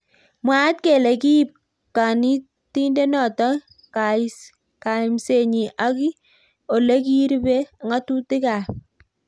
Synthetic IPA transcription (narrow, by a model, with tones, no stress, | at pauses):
mwa˦t̚ke˨le˨ki˦i˦˨p̚ | ka˨ni˦ | ti˦nde˦nɔ˨tɔ˦ | ka˨is | ka˨i˨mse˨ɲi˨ʔa˦ki˦ | o˨le˦ki˦ɾbe˦˨ŋa˦tu˦ti˦ka˨